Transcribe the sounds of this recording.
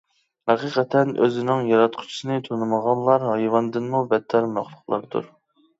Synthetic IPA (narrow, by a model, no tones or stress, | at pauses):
hɑqʰiqʰɛt̪ʰɛnøzɪnɪŋjɑɾɑt̪qʰʊ̥t͡ʃʰi̥sɨnɨt̪ʰonɨməʁɑnlˠɑɾɦɑjwɑnd̪ɨnmubɛt̪ʰːɛɾmɑχlˠʊχlˠɑ̰ɾd̪ṵɾ